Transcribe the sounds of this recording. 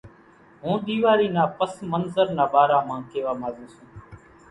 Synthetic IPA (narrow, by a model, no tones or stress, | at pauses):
ɦũːɗ̪iːʋaːɾiːnaːpəsmənzəɾnaːɓaːɾaːmãːkeːʋaːmaːzĩːsũː